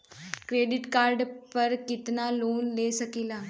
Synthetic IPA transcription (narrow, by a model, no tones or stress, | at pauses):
kɾeɖiʈkaɾɖpəɾkit̪naloːnlesəkila